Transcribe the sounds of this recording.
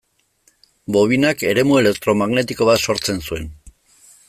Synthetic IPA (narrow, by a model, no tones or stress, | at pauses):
bo̞β̞inake̞ɾe̞mue̞le̞k̚t̪ɾo̞maɣne̞t̪iko̞β̞at̪so̞ɾt͡se̞nsue̞n